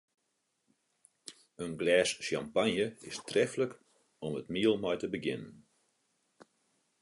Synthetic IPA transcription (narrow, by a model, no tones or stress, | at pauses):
ənɡlɛːsʃja̰mpanjəɪstrɛflək | ɔmətmiəlˠmɔjtəbəɡɪnən